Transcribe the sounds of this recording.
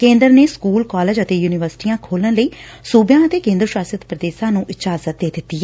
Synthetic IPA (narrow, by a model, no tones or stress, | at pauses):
kẽːnd̪əɾneːskuːlkɔːləd͡ʒət̪eːjuːnɪʋəɾsɪ̥ʈiːãːkʰoːlənləiːsuːbjãːət̪eːkẽːnd̪ɾəʃaːsət̪pɾəd̪eːʃãːnũːʔɪd͡ʒaːzət̪̚d̪eːd̪ɪt̪ːiɛ